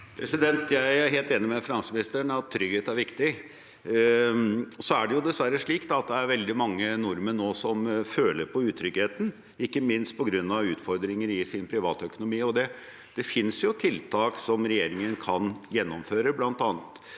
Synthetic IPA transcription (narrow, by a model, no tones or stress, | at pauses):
pʰɾɛsɪd̪ɛnt̪jæɪæɾɦeːlt̪eːnɪmɛfɪnɑnsəmɪnɪst̪əɳɑt̪ʰːɾʏɡheːt̪æɾʋɪkt̪ɪ | sɔæɖɛjʊd̪ɛsʋæɾːəʂɭiːkt̪ɑɑt̪̚d̪ɛæɾʋɛld̪ɪmɑŋːənʊɾməɳoːsɔmføːləɾpʰɔʉːt̪ʰɾʏɡheːt̪n̩ | ɪkːəmɪnst̪̚pʰɔɡɾʉnːɑʋʉːt̪fɔɾd̪ɾɪŋəɾɪsɪnpʰɾɪʋɑ̰ːt̪œkʊnʊmiːɔd̪ɛ | d̪̥ɛfɪnsjʊt̪ʰɪlt̪ʰɑːksɔmɾɛjeːɾɪŋənkʰɑnjɛnːɔmføːɾəblɑnt̪ɑːnət̪